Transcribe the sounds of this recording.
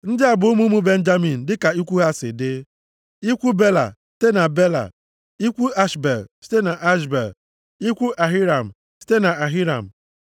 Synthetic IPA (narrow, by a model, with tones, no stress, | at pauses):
n̩˦dɪ˦a˨bʊ˨o˦mu˦mu˦be˦n̩˦d͡ʒa˦mi˨n̩˨dɪ˦ka˨i˦kʷu˦ɦa˦sɪ̰˨dɪ˦ | i˦kʷu˦be˦la̰˨si̥˦te˦na˨be˦la̰˨ | i˦kʷu˦a˦ʃbe˨lsi̥˦te˦na˨ʔa˦ʃ̬bḛ˨l | i˦kʷu˦ʔa˨ɦi˦ɾa˨m̩˨ | si̥˦te˦na˨a˨ɦi˦ɾa̰˨m̩˨